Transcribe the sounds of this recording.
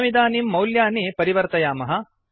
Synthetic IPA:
ʋid̪aːnimːɐwljaːnipɐɾiʋɐɾt̪ɐjaːmɐɦɐ

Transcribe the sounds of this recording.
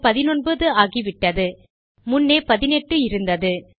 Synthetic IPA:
pɐðɪnɔnbɐðɯaːɣiʋɪʈːɐðɯ | mʊnːeːpɐðɪnɛʈːɯɪɾɯnd̪ɐðɯ

